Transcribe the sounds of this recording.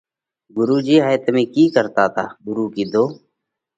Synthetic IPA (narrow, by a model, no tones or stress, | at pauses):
ɡʊɾuːd͡ʒiːɦaːjt̪mẽːkiːkəɾt̪aːt̪ʰaːɡʊɾuːkiːd̪oː